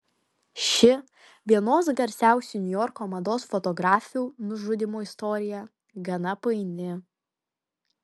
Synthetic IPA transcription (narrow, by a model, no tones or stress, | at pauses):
ʃʲɪ | ʋʲiɛnoːsɡɐɾʲsʲæˑʊsʲunʲʊjɔɾkoːmɐd̪oːsfɔt̪ɔɡɾɑːfʲuːnʊʒʊd̪ʲɪmoːɪst̪ɔːɾʲɪjɛ | ɡɐnɐpɐɪnʲɪ